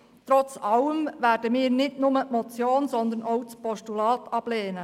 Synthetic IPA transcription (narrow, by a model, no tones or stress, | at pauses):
t̪ɾɔt͡sɑləmvæːɾd̥əmɪːɾnɪtnʊməʔmɔt͡sjoːnsɔnd̪ənowt͡spɔʃtulɑːtɑb̥leːnə